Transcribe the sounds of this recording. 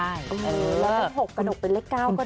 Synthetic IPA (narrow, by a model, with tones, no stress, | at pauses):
ʔɤː˧ʔɤː˨˧˩lɛː˨˦˥la˦˥˩k̚ɦo˨˩kkːa˧no˨˩k̚pe˧nle˦˥kːaː˥˩wkɔ˥˩